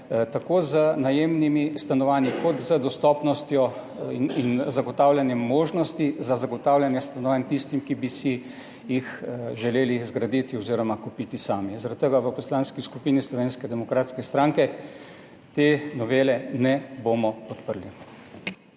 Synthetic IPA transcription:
t̪akoːzənajeːmnimist̪anɔʋaːnjikɔt̪zəd̪ɔst̪ɔːpnɔst̪jɔ | inzaɡɔt̪aːwlʲjanjɛmːoːʒnɔst̪izazaɡɔt̪aːwlʲanjɛst̪anɔʋaːnt̪ist̪imkibisi | jixʒɛleːlizɡɾad̪iːt̪iɔziɾɔmakupiːt̪isaːmizaɾat̪t̪ːəɡaʋəpɔslaːnskiskupiːnislɔʋeːnskɛd̪ɛmɔkɾaːt̪skɛst̪ɾaːŋkɛ | t̪eːnɔʋeːlɛnɛbomɔpɔt̪pəɾli

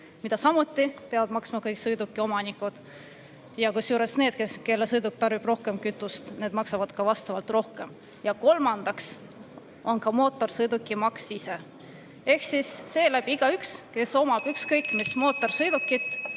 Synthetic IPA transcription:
mid̪̥ɑsɑmut̪ʲˑːipeɑvɑd̪̥mɑksmɑkɤjksɤjd̪ukːˑio̞mɑnikːˑud̪̥ | jɑkusjuːɾe̞sne̞ːd̪̥̚keske̞lːesɤjd̪uk̚t̪ɑrvib̥ro̞hke̞mkyt̪ːˑust̪ne̞ːd̪mɑksɑvɑd̪̥kɑvɑst̪ɑvɑlt̪ro̞hke̞m | jɑko̞lmɑnd̪̥ɑks | o̞nkɑmo̞ːt̪ːˑo̞rsɤjd̪ukːˑimɑksise̞ | e̞hksisːe̞ːlæb̥iiɡ̥ɑykske̞so̞mɑb̥ykskɤjkːˑmismo̞ːt̪ːˑo̞rsɤjd̪ukːˑit̪ːˑ

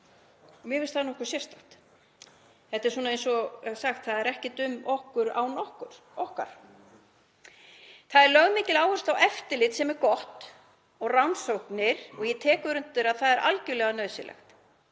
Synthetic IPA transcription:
ɔmjɛvɪlst̪aðnɔhkʏ̥ɾsjɛrst̪aht̪ | θɛht̪ɛɾ̥suːnaejnsɔsaxt̪θaðɛɾɛhcɪt̪ʏmːɔhkʏɾa̰wnɔhkʏɾ̥ | ɔhkaɾ̥ | θaðɛɾlœɣmɪːcɪlaːwhʏɾst̪awɛft̪ɪlɪt̪sɛmɛɾkɔht̪ | ɔɣrawnsowhknɪɾ̥ɔɣjɛt̪ʰɛːkʏɾʏnt̪ːʏɾaðθaðɛɾʔa̰lcʏlɛːɣanœɥsɪ̰lɛ̰xt̪

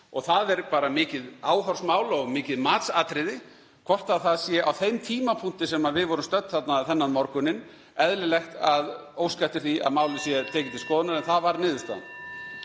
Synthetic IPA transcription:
ɔɣθaðɛɾpaːɾamɪːcɪðaːwɦɔɾ̥smaːwlɔɣmɪːcɪðmaːt̪saːt̪ɾɪðɪ | kʰv̥ɔr̥t̪aðθaðsjɛʔawθejmt̪ʰiːmapʰun̥t̪ɪsɛmaðvɪðvɔɾʏmst̪œt̪θat̪naθɛnːanmɔɾkʏnːɪn | ɛðlɪlɛxt̪að | oːwskat̪ɪ̥θia̰ðmaːwlɪsjɛt̪ʰɛːcɪnt̪ʰɪlskɔːðʏnaɾɛnθaðvaɾnɪːðʏ̥ɾst̪a̰ð̰n

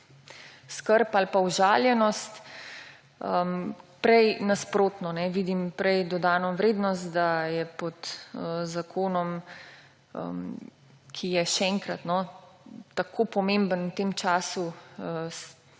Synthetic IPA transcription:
skəɾpalpauʒaːljɛnɔst̪ | əmpɾɛjnaspɾoːt̪nɔnɛʋiːd̪impɾɛjd̪ɔd̪aːnɔʋɾeːd̪nɔst̪d̪ajɛpɔt̪əzakʰoːnɔm | ə̰m | kʰijɛʃɛɛŋkɾat̪nɔ | t̪akʰoːpɔmẽmbənwt̪eːmt͡ʃaːsuəs

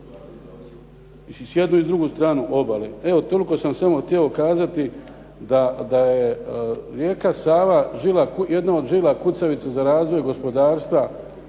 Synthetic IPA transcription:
sje̞d̪nuid̪ɾuɡust̪ɾaːnuʔo̞balee̞o̞t̪o̞liko̞samsamo̞xt̪jieo̞kaːzat̪i | d̪ad̪ajeɾje̞ːkasaːʋaʒilakuje̞d̪nao̞d̪ʒilˠakut̪saʋit̪sazaɾaːzʋo̞jɡo̞spo̞d̪aːɾst̪ʋa

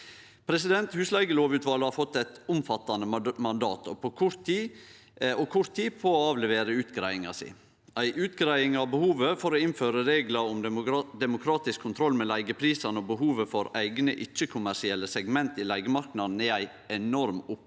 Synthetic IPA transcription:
pʰɾɛsɪd̪ɛnt̪hʉːslæɪɡəloːʋʉːt̪ʋɑlhɑɾfɔt̪ːæɪt̪ʊmfɑt̪ːɑnəmɑnd̪ɑ̰ːt̪ʰɔpɔkʰʊɾt̪iː | ɔkʰʊɾt̪ʰiːpʰoːɑːʋlɛʋeːɾəʉːt̪ɡɾæɪɪŋɑ̰sḭ | æɪʔʉːt̪ɡɾæɪɪŋɑʋbəhuːʋəfɔɾɔɪnføːɾəɾeːɡləɔmd̪ɛmʊkʰɾɑːt̪ɪskʰːʊnt̪ʰɾɔlmɛlæɪɡəpʰɾiːsɑnəɔbəɦuːʋəfɔɾæɪɡnə̰ʔɪt͡ʃːəkʰʊmæʂɪɛlːəsɛɡmɛnt̪ilæɪɡəmɑɾknɑd̪n̩ɛæɪ | ɛnɔɾmʊp

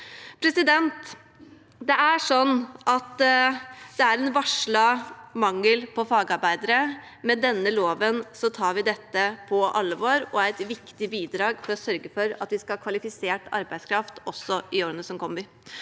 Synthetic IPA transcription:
pʰɾɛsɪd̪ɛnt̪ | d̪ɛæʂɔnːʔɑt̪ | d̪̥ɛæɾɛnʋɑʂɭɑmɑŋːəlpʰɔfɑːɡɑɾbæɪd̪əɾə | mɛd̪ɛnːəloːʋənsɔt̪ʰɑːɾʋɪd̪ɛt̪ːəpʰɔʔɑlːəʋoːɾɔæɾɛt̪ʋɪkt̪ɪbiːd̪ɾɑːɡfɔɾɔsœɾɡəfɔɾɑ̰t̪ʋɪskɑkʰʋɑlɪfɪseːʈɑ̰ɾbæɪskʰɾɑft̪ɔsːɔɪoːɾənəsɔmkʰɔmɪ

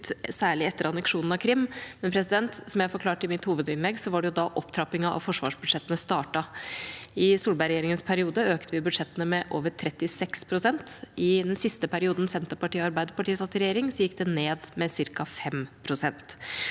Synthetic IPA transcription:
sæːɭɪɛt̪ːəɾɑnəkʂuːnn̩ɑkʰɾɪmːmɛnpʰɾɛsɪd̪ɛnt̪sɔmjæɪhɑfɔɾklɑːʈɪmɪt̪huːʋəd̪ɪnlɛɡsɔʋɑɖɛjʊd̪ɑʔɔpt̪ʰɾɑpɪŋɑʔɑ̰ʋfɔʂʋɑ̰ːʂbʉd̪ʂɛt̪ːənəst̪ɑːʈɑ | ɪsuːlbæɪɾɛjeːɾɪŋənspʰæɾɪuːd̪əøːkt̪əʋɪbʉd̪ʂɛt̪ːənəmɛʔoːʋət̪ʰɾɛt̪ːɪsɛkspʰɾʊsɛnt̪ɪd̪ɛnsɪst̪əpʰæɾɪuːd̪n̩sɛnt̪əpɑʈiːɑɾbæɪd̪əɾpɑʈiːsɑt̪ːəɾɛjeːɾɪŋsɔjɪkːd̪ɛneːd̪mɛsɪɾkɑfɛmpʰɾʊsɛnt̪

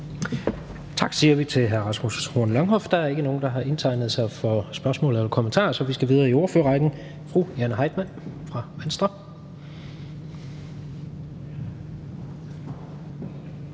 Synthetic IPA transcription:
t͡sʰɑ̈ɡ̥siːɐʋit͡sʰe̝lɦæɐʁɑ̈smushoɐnlɑ̈ŋɦɒ̽fd̥ɑ̈æɐe̝ɡ̥əno̝ːn̩d̥ɑ̈ɦɑ̈ʔe̝nt͡sʰɑ̈ɪnəð̩ˠsɑ̈ɪfɒsb̥ɶɐsmɔ̰̽ːlð̩ˠelɐkʰomənt͡sʰɑ̰̈ːsɒ̽ʋisɡ̥æʋið̞ˠɐːioɐføːɐʁɑ̈ɪd̥n̩ | fʁujænəɦɑ̈ɪd̥mæn̰fʁɑ̈ʋensd̥ʁɐ

